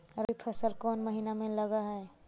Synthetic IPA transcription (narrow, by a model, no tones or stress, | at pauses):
ɾipʰəsəlkɔːnməɦinamẽləɡaɦɛ